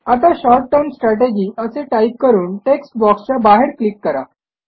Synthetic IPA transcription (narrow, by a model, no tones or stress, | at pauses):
at̪aɕɔɾʈːəɾmsʈɾaʈed͡ʑiːʔəseʈaip̚kəɾuːnʈeksʈbɔkst͡ɕabaɦeɾklikːəɾa